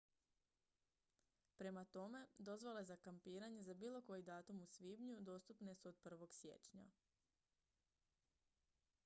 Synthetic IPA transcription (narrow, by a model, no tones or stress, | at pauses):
pɾe̞mat̪o̞me̞d̪o̞zʋale̞zakampiːɾaɲe̞zabiːlˠo̞ko̞jid̪aːt̪umusʋiːbɲud̪o̞ːst̪upne̞suod̪̥̚pr̩ʋo̞ɡsje̞̰t͡ʃɲa̰